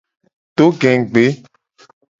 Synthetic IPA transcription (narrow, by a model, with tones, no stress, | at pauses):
t̪o˦ɡɛ̃˨ŋ˨ɡ͡be˨˦